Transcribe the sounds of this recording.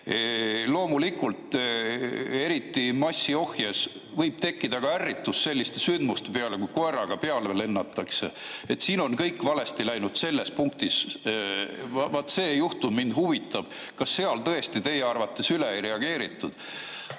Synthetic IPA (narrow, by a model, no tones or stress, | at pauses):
elo̞ːmulikult̪ | e̞ɾit̪ːˑimɑsʲːio̞hjɑs | vɤjb̥̚t̪e̞kːid̪̥ɑɡ̥ɑærːit̪ːˑusːe̞lʲːist̪e̞synd̪must̪e̞pe̞ɑlekujko̞erɑɡ̥ɑpeɑleele̞nːɑt̪ːˑɑkse̞̰et̪ːsiːno̞nkɤjkːvɑle̞st̪ilæjnud̪̥se̞lːe̞spuŋkt̪is | vɑt̪ːse̞ːjuht̪ummind̪̥huvit̪ːˑɑb̥ | kɑsːe̞ɑlt̪ɤ̞e̞st̪it̪e̞jeɑrvɑt̪ːˑe̞syleejɾe̞ɑɡ̥e̞ːɾit̪ːˑud̪̥